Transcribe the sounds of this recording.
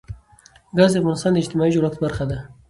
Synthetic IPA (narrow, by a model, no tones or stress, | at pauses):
ɡɑzd̪eafɣɑnɪst̪ɑːnd̪əɪd͡ʒt̪ɪmɑiʒuɾat̪baɾxad̪a